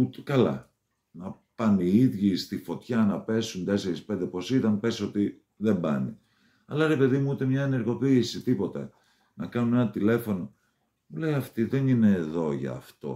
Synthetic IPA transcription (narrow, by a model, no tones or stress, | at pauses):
ut̪e̥kɐlɐ̰ | nɐpɐniiðʝist̪ifo̞t̪çɐnɐpe̞sunt̪e̞se̞ɾispe̞nd̪epo̞sit̪ɐnpe̞sio̞t̪i | ðembɐ̰ni | ɐlɐɾe̞pe̞ðimuut̪e̞mɲɐene̞ɾɣo̞piːsit̪ipo̞t̪ḛ | nɐkɐnune̞nɐt̪ile̞fo̞no̞ | mule̞jɐft̪iðe̞nine̞ːðo̞ʝɐ̰ːft̪o̞̰